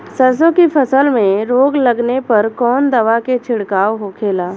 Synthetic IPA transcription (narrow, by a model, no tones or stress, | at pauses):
sɐɾs̬õkipʰɐsəlmẽɾoːɡlɐɡnepɐɾkɔːnd̪ɐʋaket͡ʃʰɪɽkaːwɦokʰeːlaː